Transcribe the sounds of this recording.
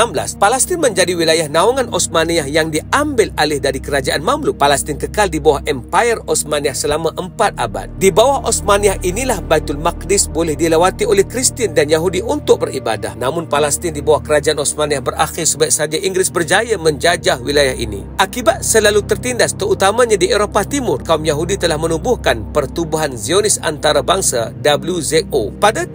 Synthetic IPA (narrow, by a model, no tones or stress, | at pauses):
ambla̰spalɛst̪ɪnməɲd͡ʒadiwilajahnauŋanʔɔsmaniahjaŋdiambɪlalɪhdaɾikəɾad͡ʒaʔanmamluʔ̚palɛst̪ɪnkəkaldibawahʔɛmpajərɔsmaniahsəlamaʔəmpat̪̚ʔa̰ba̰t̪̚dibawahʔosmaniaʔinilahbait̪ʊlmak̚dɪsbolɛhdilawat̪iolɛhkɾist̪indanjaɦudiʔunt̪ʊk̚bəɾiba̰da̰hnamʊnpalast̪ɪndibawahkəɾad͡ʒaʔanɔsmaniahbərʔaxɪrsəbaiʔ̚saɡajiŋɡɾɪsbərd͡ʒajamə̃ɲd͡ʒad͡ʒahwilajahḭnḭʔakibat̪̚səlalut̪ərt̪indast̪əɾut̪amãɲadieɾopat̪imʊrkaumjaɦudit̪əlahmənubʊhkanpərt̪ubuɦanzionɪsa̰nt̪aɾabaŋsadabəljuzɛt̪opada